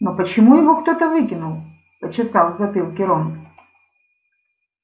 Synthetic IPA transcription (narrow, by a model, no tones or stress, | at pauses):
nɔpət͡ɕɪmujɪvɔkt̪ɔt̪əvɨkʲɪnulˠ | pɐt͡ɕɪsalˠzɐpʲɨlˠkʲɪɾɔm